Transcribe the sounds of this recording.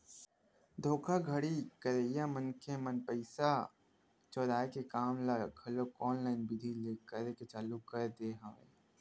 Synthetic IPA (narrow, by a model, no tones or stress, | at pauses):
d̪ʱoːkʰaɡʱəɽikəɾeːjamənkemənpəɪsa | t͡ʃɔːd̪aːekekaːmlaɡʰʱɐlokɔːnlaːɪnbɪd̪ʱileːkəɾeket͡ʃaːlukəɾd̪eɦaːḛ